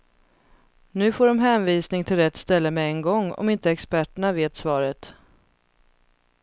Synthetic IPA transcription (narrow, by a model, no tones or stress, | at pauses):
nʉ̟ːfoːɖɔmɦɛːnviːsnɪŋt̪ʰɪlɾɛt̪ːst̪ɛlːəmɛɛŋɡɔŋːɔ̰mɪnt̪əɛkspæʈːəɳaveːt̪svɑːɾət̪